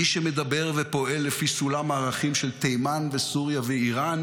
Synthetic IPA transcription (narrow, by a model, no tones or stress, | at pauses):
iʃemed̪abe̞ʁvepo̞e̞lːefisulamaːʁaχimʃelt̪ejmanvesuʁjaveiʁan